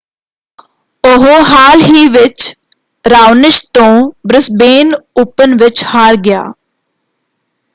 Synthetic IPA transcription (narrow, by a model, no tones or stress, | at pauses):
oɦoɦaːlɦiːʋɪt͡ʃ | ɾaːʋnɪʃt̪õːbɾɪsbeːnʊpənʋɪt͡ʃhaːɾɡɪja̰ː